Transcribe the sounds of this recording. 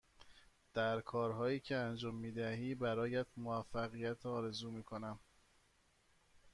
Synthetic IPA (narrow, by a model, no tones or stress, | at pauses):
d̪̥æɾkʰɒːɾɦɒːjiːcʰe̞ænd͡ʒɒːmːiːd̪æɦiːbæɾɒːjæd̪moæfːæɣijæt̪ʰɒːɾe̞zuːmiːkʰo̞næm